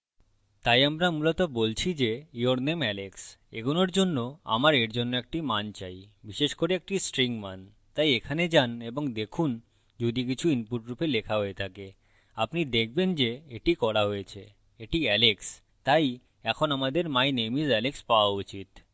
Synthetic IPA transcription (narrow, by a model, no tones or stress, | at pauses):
t̪ajamɾamulot̪obolt͡ɕʰid͡ʑeioɾnemɛleksḛɡunoɾd͡ʑonːoa̰maɾeɾd͡ʑonːoɛk̚ʈimant͡ɕajbiʃeʃkoɾeek̚ʈisʈɾiŋman | t̪ajekʰaned͡ʑaneboŋd̪ekʰun | d͡ʑud̪ik̬it͡ɕʰuinpuʈɾupelekʰaɦojet̪ʰake | apnid̪ek̚ʰbend͡ʑeeʈikɔɾaɦoet͡ɕʰe | eʈiɛleks | t̪aj | ɛkʰonamad̪eɾmajnemizɛlekspaoaut͡ɕit̪